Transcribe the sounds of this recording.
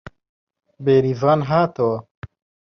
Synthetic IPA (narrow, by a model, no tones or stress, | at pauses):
beːɾizaːnɦaːt̪owa